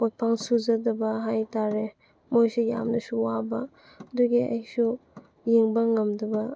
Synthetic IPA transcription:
ot̚pʰaŋsuzadɐbɐɦajtaɾe | mojsuja̰mnɐsuwaba | duɡia̰jsu | jiŋbaŋamdɐbɐ

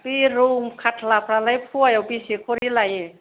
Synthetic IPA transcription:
piɾumkʰatʰlapʰɾalajpʰuajɔwpisikʰoɾilaje

